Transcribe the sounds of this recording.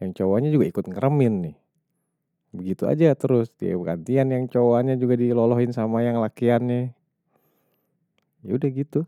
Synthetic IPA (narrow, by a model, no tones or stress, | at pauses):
jaŋt͡ʃowaɲad͡ʒuɡaikʊt̪̚ŋəɾəmɪnːɪh | bəɡit̪ua̰d͡ʒat̪əɾʊsdia̰bəɡa̰nt̪ianjaŋt͡ʃowaɲad͡ʒuɡadilolɔɦɪnsamajaŋlakianːɪ | jaudahɡit̪u